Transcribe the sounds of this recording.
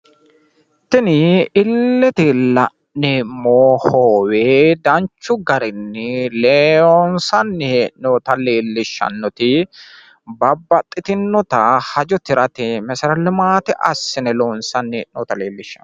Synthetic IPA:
t̪ɪnɪɪlːɛt̪ɪlɐʔ | ɛmoːhoːweːd̪ɐnt͡ʃːʊɡɐɾɪnːɪleːoːnsɐnːɛʔnoːt̪ɐleːlːɪʃːɐ̰nːɔt̪ɪ | bɐbːɐt̪ʼːɪt̪ɪnːɔt̪ɐhɐd͡ʒɔt̪ɪɾɐt̪ɪmɛsɐɾɐlɪmaːt̪ɪʔɐsːɪnɛloːnsɐnːeːʔnoːt̪ɐleːlːɪʃːɐn

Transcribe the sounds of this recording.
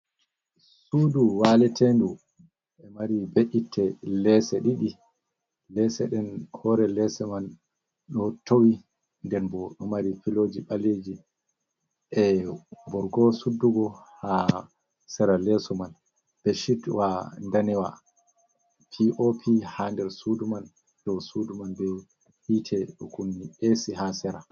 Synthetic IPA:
suduwalɛtendu | ɛmaɾibeʔitʰːɛlɛsɛɗiɗi | lɛsɛɗɛnhɔɾɛlɛsɛman | ɗɔtowi | ndɛɾbɔɗɔmaɾifilod͡ʒiɓaled͡ʒi | ʔɛbɔɾɡɔsudːuɡɔha | sɛɾalɛsɔman | b̥ɛʃitwandanɛwa̰ | pʰiʔopʰihandɛɾsuduman | d̥ɔsudumanbɛ | hitʰɛɗɔkunːiʔesiɦasɛɾa

